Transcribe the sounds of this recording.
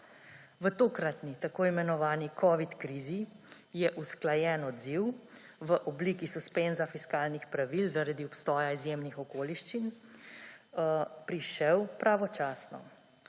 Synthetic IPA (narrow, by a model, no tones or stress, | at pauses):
ʋət̪oːkɾat̪nit̪akoːimɛnɔʋaːnikʰɔʋit̪kɾiːzi | jɛʔusklajɛːnɔd̪ziw | ʋəʔɔbliːkisuspenzafiskaːlnixpɾaʋilzaɾad̪iɔpst̪ɔːjaizjemnixɔkoːliʃt͡ʃin | pɾiʃɛwpɾaʋɔt͡ʃaːsnɔ̰